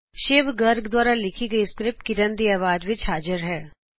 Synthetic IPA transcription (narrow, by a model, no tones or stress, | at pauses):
ʃeːʋɡəɾɡd̪waːɾalɪkʰiɡəiskɾɪp̚ʈkɪɾənd̪iaːʋaːd͡ʒʋɪt͡ʃɦaːd͡ʒəɾɦɛː